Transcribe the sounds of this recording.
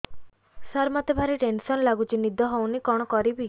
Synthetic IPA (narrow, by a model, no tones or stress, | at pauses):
saɾmat̪ebʱaɾiʈensɔnlaɡut͡ʃinid̪ʱɔɦownikɔɽ̃ɔkɔɾibi